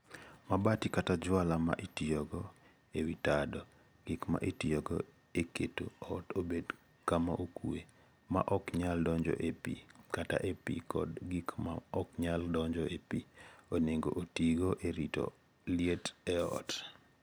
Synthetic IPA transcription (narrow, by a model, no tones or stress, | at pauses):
mabatikatad͡ʒwalama̰ʔetiɔɡɔ | ewitadɔ | ɡ̥ɪkma̰ʔetijɔɡɔ̰ | eketo̰ɔtobed | kamaʔokue | ma̰ʔɔkɲaldɔɲd͡ʒɔ̰ʔepḭkata̰ʔepḭkɔ̰dɡɪkma̰ɔkɲaldɔɲd͡ʒɔepioneŋɡo̰ʔotiɡoʔeɾito̰ | lɪetɛɔ̰t